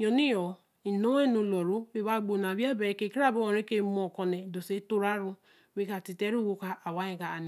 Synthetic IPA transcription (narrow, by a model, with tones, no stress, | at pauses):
jɔ˨ni˦jɔ˨ | i˨no˦e˦no˨lɔ˨ɾo˦we˦βa˦ɡ͡bo˨na˨bja˦be˨ɾe˨ke˨ki˦a˦˨bo˦ɔ˨ɾe˦ke˦mɔ˨kɔ˨ne˨do˨se˦to˦ɾa˦ɾu˦ | we˦ka˨ti˨te˦ɾu˦˨wo˦ka˨ʔa˨wa˦e˨ɡa˨ne˨